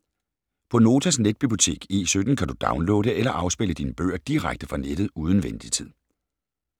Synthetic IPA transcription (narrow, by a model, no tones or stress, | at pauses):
pʰɒ̽no̝ːt͡sʰæsned̥̚b̥ib̥io̝t͡sʰe̝̰ːɡ̥e̝̰ːsød̥n̩kʰæd̥ud̥ɑ̈ʊnlo̰̽ːɾəʔelɐʔɑ̈ʊsb̥eləd̥iːnəb̥ø̰ːɐd̥iʁaɡ̥̚d̥əfʁɑ̈ned̥ð̩ˠuːð̞ˠn̩ʋen̰d̥it͡sʰið̰ˠ